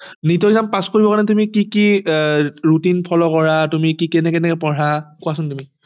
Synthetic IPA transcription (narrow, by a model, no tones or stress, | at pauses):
nitɔizampaskoɹibɔkaɹnɛtumikiki | ɹutinpʰɔlɔkɔɹatumikikɛnɛkɛnɛkɛpɔɹakuasʊntumi